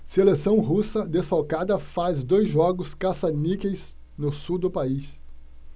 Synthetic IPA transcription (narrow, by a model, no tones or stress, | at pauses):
selesɐ̃w̃ɦusɐd̪esfawkad̪ɐfazd̪ojzʒɔɡʊskasanikejs | nʊsuwd̪ʊpais